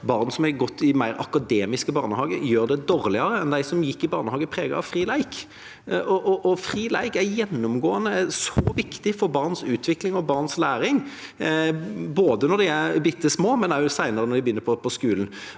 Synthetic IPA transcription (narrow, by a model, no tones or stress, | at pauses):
bɑːʁnsɔmɛɡɔt̪ʰːɪmæɪɾɑ̰kɑd̪eːmɪskəbɑːʁnəhɑːɡəjøːɾd̪ɛd̪oːɾlɪɑɾəɛnd̪æɪsɔmjɪkːɪbɑːʁnəhɑːɡəpʰɾeːɡɑ̰ɑ̰ʋfʁiːlæɪk | ɔʔʔɔfɾiːlæ̰ɪkæɾjɛnːʊmɡoːənəsɔʋɪkt̪ɪfɔɾbɑːʁnsʉːt̪ʰʋɪklɪŋɔbɑːʁnslæːɾɪŋ | boːd̪ənɔd̪ɪæɾbɪt̪ːəsmoːmɛnæʊsæɪnəɾənɔɾd̪ɛɪbəjʏnːəpʰɔpʰɔskʉːln̩